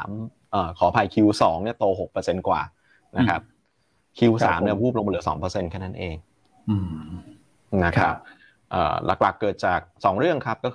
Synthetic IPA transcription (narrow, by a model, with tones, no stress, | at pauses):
m | ʔəː˨˩kʰɔː˩˦pʰa˧jkʰi˧wsɔː˩˦ŋni˥˩ɐt̪oː˧ɦo˨˩k̚pɤː˧se˧nkwa̰ː˨˩ | na˦˥kʰɾa˦˥p̚ | kʰi˧wsa̰ː˩˦mni˥˩ɐpʰuː˥˩p̚lo˧ŋma˧lɯ˩˦sɔː˩˦ŋpɤː˧se˧nkʰɛː˥˩na˦˥nʔeː˧ŋ | ɯː˧˩ | na˦˥kʰɾa˦˥p̚ | ʔɤ̰ː˨˩lʔa̰˨˩k̚la˨˩kːɤː˨˩t̪̚t͡ɕaː˨˩k̚sɔː˩˦ŋɾɯ˥˩əŋkʰa˦˥p̚kɔː˥˩